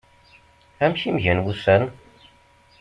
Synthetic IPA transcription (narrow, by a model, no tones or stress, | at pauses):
æmçimʝænwusæn